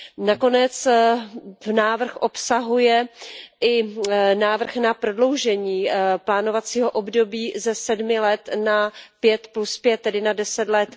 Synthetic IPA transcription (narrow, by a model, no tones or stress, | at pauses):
nako̞nɛt͡s | vnaːvr̩xʔo̞psaɦujɛʔɪnaːvr̩xnapɾo̞dlo̞wʒɛɲiːplaːno̞vat͡siːɦo̞ʔobdo̞biːzɛsɛdmɪlɛt̪napjɛt̪pluspjɛt̪̚ːɛdɪnadɛsɛt̪lɛt̪